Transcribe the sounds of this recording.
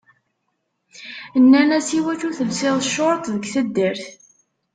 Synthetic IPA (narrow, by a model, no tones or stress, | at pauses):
nːænæsiwæt͡ʃuθəlsɪðˤəʃːoɾˤt̪ˤðəɡθæd̪ːəɾθ